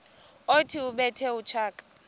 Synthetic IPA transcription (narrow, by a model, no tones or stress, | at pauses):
otʰiuɓɛtʰɛut͡ʃʰaːkʼḁ